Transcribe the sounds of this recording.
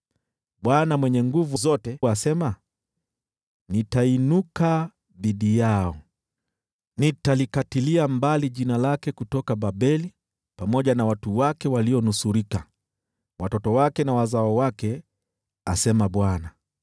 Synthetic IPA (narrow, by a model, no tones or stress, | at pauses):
ɓwanamwɛɲɛŋɡuvuzɔtɛasɛma | nitainuka | ðiɗijaɔ | nitalikatiliambaliʄinalakɛkutɔkaɓaɓɛli | pamɔʄanawatuwakɛwaliɔnusuɾika | wʔatɔtɔwakɛnawazaɔwakɛ | asɛmaɓwana